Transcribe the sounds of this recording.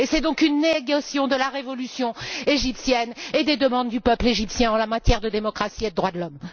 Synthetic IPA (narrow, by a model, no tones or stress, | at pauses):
esɛd̪ɔ̃kynːeɡasjɔ̃d̪əlaʁevɔlysjɔ̃eʒipsjɛned̪ed̪əmɑ̃d̪ːypœpleʒipsjɛ̃ɑ̃lamat̪jɛʁd̪əd̪emɔkχasied̪əd̪ʁwad̪əlɔm